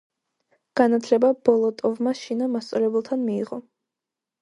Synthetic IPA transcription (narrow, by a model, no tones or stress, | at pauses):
ɡ̥anat̪ʰlɛbab̥ɔlˠɔt̪ʼɔvmaʃinamast̪sʼɔlɛbulˠt̪ʰanmḭːʁɔ